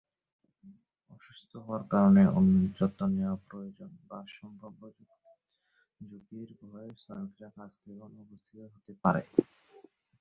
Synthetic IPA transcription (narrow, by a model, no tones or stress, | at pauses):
ɔʃust̪ʰoɦoaɾkaɾoneʔond͡ʑɔt̪ːoneopɾojod͡ʑonbaʃɔmbʱɾobʱo | d͡ʑukiɾbʱɔesanokiɾakad͡ʑt̪ʰeonubust̪ʰit̪oɦot̪epaɾḛ